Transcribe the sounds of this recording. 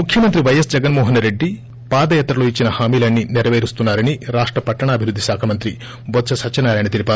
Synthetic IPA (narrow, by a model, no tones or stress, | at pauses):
mukʰjɐmɐnt̪ɾiʋɐjɐsd͡ʒɛɡɐnmɔːɦɐnɾe̞ɖːi | paːd̪ɐjaːt̪ɾɐloːit͡ʃːinɐhaːmiːlaːnːiniɾɐʋeːɾist̪unːaːɾɐniɾaːʂʈɾɐpɐʈːɐɳɐːbʱiɾud̪ːisaːkʰɐmɐnt̪ɾi | bɔt̪t͡ʃɐsɐt͡ʃɐnaːlaːjnɐt̪elipaː